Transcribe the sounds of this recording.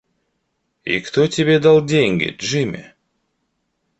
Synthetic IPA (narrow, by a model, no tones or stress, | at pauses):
ḭkt̪otʲebʲed̪ɑlˠdʲeŋʲɡʲḛʒɨmʲḛ